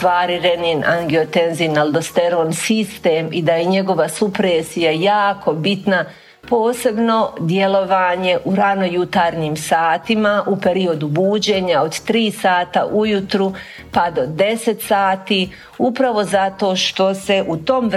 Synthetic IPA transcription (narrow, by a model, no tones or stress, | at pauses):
ʋaːɾiɾenina̰ŋɡiot̪e̞nzinald̪ost̪e̞ɾoːnsist̪e̞ːmid̪ajeɲe̞ɡo̞ʋasupɾeːsijajaːkʰo̞bit̪na | po̞ːse̞bno̞d̪je̞lˠo̞ʋaːɲe̞ʔuɾano̞jut̪aːɾɲiːmsaːt̪imaʔupe̞ɾio̞d̪ubuːd͡ʑe̞ːɲaod̪t̪ɾiːsaːt̪a̰ʔujut̪ɾu | pad̪o̞d̪e̞se̞t̪saːt̪iː | upɾaʋo̞zat̪o̞ːʃt̪o̞se̞ʔut̪o̞m